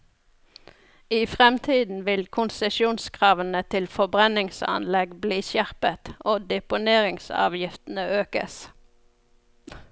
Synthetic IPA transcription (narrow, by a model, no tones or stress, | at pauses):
iːfʁɛmt̪ʰiːd̪n̩ʋɪlkʰʊnsɛʃjuːnskʰʁɑːʋənət̪ʰɪlfɔbʁɛnɪŋsɑ̰nlɛɡbliːsjæʁpət̪oːd̪ɛpʊneːʁɪŋsɑ̰ːʋjɪft̪n̩əʔøːkə̰s